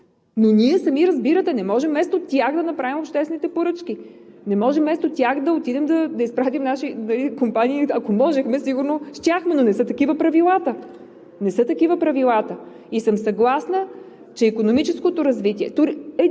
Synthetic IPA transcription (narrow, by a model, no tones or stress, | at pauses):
noniɛsɐmiɾɐzbiɾət̪ɛnɛmɔʒɛmːɛst̪ot̪ʲjaxd̪ɐnɐpɾavimopʃt̪ɛsvɛnit̪ɛpoɾɤt͡ʃk̟i | nɛmɔʒɛmːɛst̪ot̪ʲjaxd̪ɐot̪id̪ɛmd̪ɐd̪ɐispɾat̪imnaʃinɐlikompaniːɐkomɔʒɛxmɛsiɡuɾnoʃt̪ʲjaxmɛnonɛsɤt̪ɐkivəpɾɐvilˠat̪ə | nɛsɤt̪ɐkivəpɾɐvilˠat̪ə | isəmsɐɡlˠasnə | t͡ʃɛikonomit͡ʃɛskot̪oɾɐzvit̪iɛt̪oɾiɛ